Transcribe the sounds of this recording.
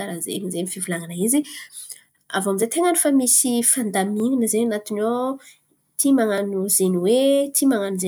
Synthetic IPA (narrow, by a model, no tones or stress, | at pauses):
aɾazḛmizemifivulaŋanaizi | avamizet̪eŋənifamisifand̪amiŋinəzeɲanat̪ino | t̪ʰimaŋanuzeniwet̪ʰimaŋanuze